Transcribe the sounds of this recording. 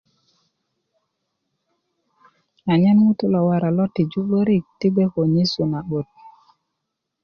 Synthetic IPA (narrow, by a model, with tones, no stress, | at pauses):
a˨ɲɛ˦nŋu˦tu˦lo˨wa˨ɾa˨lo˦tːi˨d͡ʒu˦ɓo˦ɾi˦˨k̚ti˦ɡe˦ko˨ɲi˦su˨na˨ɓo˨t̪̚